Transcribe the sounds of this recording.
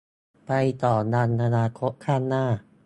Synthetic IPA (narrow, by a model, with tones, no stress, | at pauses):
pa˧jt̪ɔː˨˩na˧nʔa˧naː˧kʰo˦˥t̪̚kʰaː˥˩nːaː˥˩